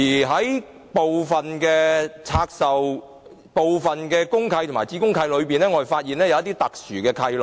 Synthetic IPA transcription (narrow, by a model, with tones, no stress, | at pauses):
iː˨˩ɦɐ˨˥j | po˨wfɐ˨nkɛ˧t͡sʰaː˧k̚sɐ˨w | po˨wfɐ˨˩nkɛː˧kʊ˥ŋkʰɐ˧jt̪o˨˩ŋmaː˨˩jt͡siː˨˥kʊ˥ŋkʰɐ˧jlɵ˨˧ɥpiː˨nɛː˥ŋɔ˨˧e˨˩faː˧t̚jiː˨˩nɛː˥jɐ˨wɐ˥t̪iː˥t̪ɐ˨k̚syː˨˩kɛː˧kʰɐ˧jlɔ˨